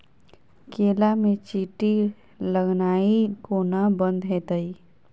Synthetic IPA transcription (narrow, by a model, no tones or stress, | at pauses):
keːlamẽt͡ʃiːʈi | ləɡnaːikonabə̃nd̪ɦet̪əi